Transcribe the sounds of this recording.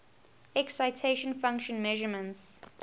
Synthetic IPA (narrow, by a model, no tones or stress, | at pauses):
ɛksaɪtʰeʃə̃nfãŋkʃə̃nmɛʒəmə̃nts